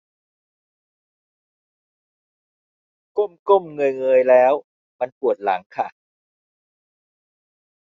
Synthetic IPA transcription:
ko˥˩mko˥˩mŋɤ˧jŋɤː˧jlɛː˦˥w | ma˧npu˨˩ət̪̚la˩˦ŋkʰa˥˩

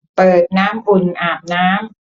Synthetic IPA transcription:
pɤː˨˩t̪̚naː˦˥mʔu˨˩nʔaː˨˩m̚naː˦˥m

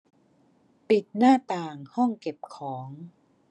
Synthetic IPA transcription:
pi˨˩t̪̚naː˥˩t̪aː˨˩ŋhɔ˥˩ŋke˨˩p̚kʰɔː˩˦ŋ

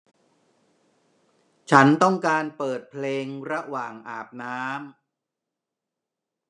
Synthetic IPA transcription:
t͡ɕʰa˦˥nt̪ɔ˥˩ŋkaː˧npɤː˨˩t̪̚pʰleː˧ŋɾa˦˥waː˨˩ŋʔaː˨˩p̚naː˦˥m

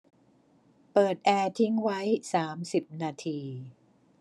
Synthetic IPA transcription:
pɤː˨˩t̪̚ʔɛː˧t̪ʰi˦˥ŋwa˦˥jsaː˩˦msi˨˩p̚naː˧t̪ʰiː˧

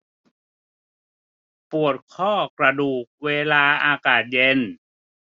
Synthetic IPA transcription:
pu˨˩ət̪̚kʰɔː˥˩kɾa˧duː˨˩k̚weː˧laː˧ʔaː˧kaː˨˩t̪̚je˧n

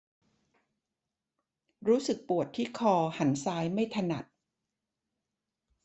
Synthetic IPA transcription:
ɾuː˦˥sɯ˨˩k̚pu˨˩ət̪ʰːiː˥˩kʰɔː˧ha˩˦nsaː˦˥jma˥˩jt̪ʰa˧na̰˨˩t̪̚

